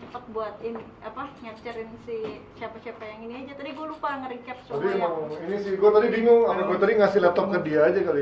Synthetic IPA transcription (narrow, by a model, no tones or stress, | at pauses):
t͡ʃəpət̪̚buat̪in | apaɲat͡ʃaɾɪnsisiapasiapajaŋiniad͡ʒat̪adiɡualupaŋəɾikap̪̚st̪adimaŋinisɪhɡuat̪adibiŋʊŋamaɡuat̪adiŋasɪhlɛt̪ɔkːədiaːd͡ʒakalo